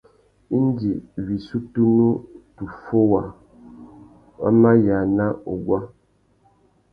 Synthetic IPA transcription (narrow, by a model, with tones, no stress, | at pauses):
n˦d͡ʒi˨βi˨su˦tu˦nu˦tu˨fo˦wa˨ | a̰˦ma˦ja˨na˦o˨ɡwa˦